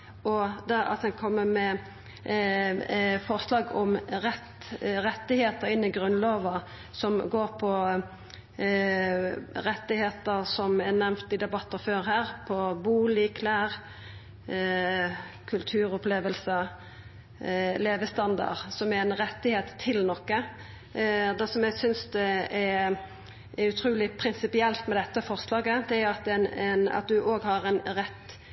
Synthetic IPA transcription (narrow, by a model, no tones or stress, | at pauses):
ɔd̪ɛɑ̰t̪ɛnkʰɔmːəmɛ | fɔʁslɑːɡɔmʁɛt̪ | ɾɛt̪ːɪheːt̪əɾɪnːɪɡʁʉnloːʋɑ | sɔmɡoːɾpʰɔ | ɾɛt̪ːɪheːt̪əɾsɔmɛnɛmt̪ɪd̪ɛbɑt̪ːəføːɾɦæːʁpʰɔbuːlɪkʰlæːʁ | kʰʉlt̪ʰʉːɾɔpleːʋəlsə | leːʋəst̪ɑnd̪ɑ̰ɾsɔmæɾɛnɾɛt̪ːɪheːt̪ʰːɪlnɔkːə | d̪ɛsɔmjæɪsʏnsd̪ɛɛ | ʔɛɾʉt̪ʰɾuːlɪpʰɾɪnsɪpɪɛlt̪mɛd̪ɛt̪ːəfɔʁslɑːɡəd̪ɛæɾɑt̪ɛnɛnɑ̰t̪̚d̪ʉʔoːɡhɑɾɛnɾɛt̪ː